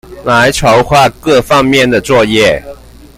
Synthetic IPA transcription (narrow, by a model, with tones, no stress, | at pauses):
la˧˥ɪʈ͡ʂʰo˨˧˥ʊxwa˥˧kɤ˥˧fɑ˥ŋmjɛ˥˩nd̪ə˩t͡swɔ˥˧jɛ˥˩